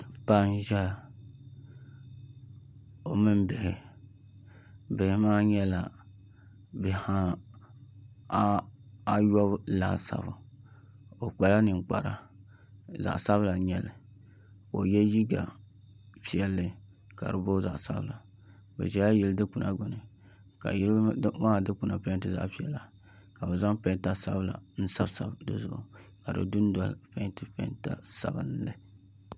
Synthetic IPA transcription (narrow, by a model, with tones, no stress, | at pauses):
pa˦n˦ʒɛ˦˨ | o˨mɨ˦mbɨ˨hɪ˨ | bɪ˨hɪ˨maː˦ɲɛ˦la˨ | bɛ˨ha˦ | a˦jɔ˦bla̰ː˨sa̰˨bʊ̰˨ | o˨k͡pɛ˨la˦nɨ˨ŋk͡pa̰˨ɾa̰˨ | za̰˨ʔsa˦βla˨ɲɛ˨lɨ˨ | o˨jɛ˦ji˦ɡa˨ | pi˨ɛ˦lːɨ˨ | ka̰˨ɾɨ˨bo˦za˨ʔsa˦bla˨ | bɛ̰˨ʒɛ˨la˦ji˨ldɨ˦ku˨nʔa˦ɡʊ˨nɨ˨ | ka̰˨˦maː˦dɨ˦ku˨na˨pɛ˦n˦tɨ˦za̰˦ʔpi˨˦ɛ˨la˨ | ka˨bɛ˨za˦mpɛ˦n˦ta˦sa̰˦bɨ˦la̰˨n̩˦sa˦bsa˨bdɨ˦zʊ̰˦˨ʔʊ̰˨ | ka˨ɾɨ̰˨dʊ˦n˦dɔ˦lpɛ˦tɨ˦pɛ̰˦nta̰˦sa˨bɨ˦n˦lɨ˦